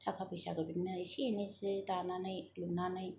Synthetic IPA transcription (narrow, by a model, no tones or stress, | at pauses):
tʰakʰapʰɯjsa̰ɡɯbinnaɾisinezidananɯjlunanɯj